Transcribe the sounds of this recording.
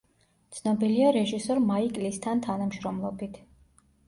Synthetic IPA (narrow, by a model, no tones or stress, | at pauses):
t̪sʰnɔbiliaɾɛʒisɔɾmaikʼlist̪ʰant̪ʰanamʃɾɔmlˠɔbit̪ʰ